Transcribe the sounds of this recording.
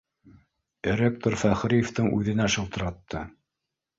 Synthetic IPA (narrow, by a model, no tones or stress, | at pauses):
ɾʲek̚t̪oɾfæχɾijeft̪ɤŋʔʉ̰ðɘ̆næʃɤ̆lˠt̪ɤ̆ɾɑt̪ːɤ